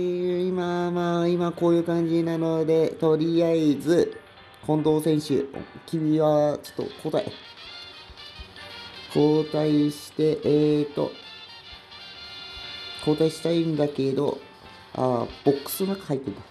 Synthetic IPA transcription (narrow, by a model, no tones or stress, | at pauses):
imamaimako̞ːjɯ̟ːkãɲ̟d͡ʑinano̞d̪e̞t̪o̞ɾʲiaizɨ | kõ̞nd̪o̞ːsẽ̞ɕɨ̰kʲibʲiβat͡ɕo̥t̪ːo̞̰ko̞ːt̪aḭ | kʰo̞ːt̪aiɕi̥t̪e̞ʔt̪o̞̰ | kʰo̞ːt̪aiɕi̥t̪aĩnd̪ake̞d̪o̞̰ | a̰b̥o̞kːɯ̥sonakḁhait̪ːeimas